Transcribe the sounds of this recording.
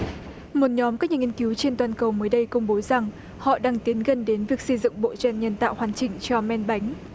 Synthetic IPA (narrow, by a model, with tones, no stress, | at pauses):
mo˨˩t̚ɲɔ˨˦mkaː˦˥k̚ɲaː˨˩ŋi˧ənki˨˦wt͡ɕe˧nt̪waː˨˩nkə˨˩wməː˨˦jɗə˧jkə˧wŋ͡mɓo˨˦za˨˩ŋ | hɔ̰˧˨ɗaː˧ŋt̪i˨˦ənɣə˨˩nɗe˨˦nvi˨˩ək̚sə˧jzʊ̰˧˨ŋ͡mɓo̰˧˨t͡ɕwɛ˧˩nɲə˨˧˩nt̪a̰ː˧˨whwaː˨˩nt͡ɕï˨˩ŋ̟t͡ɕɔ˧mɛ˧nɓa˨˦jŋ̟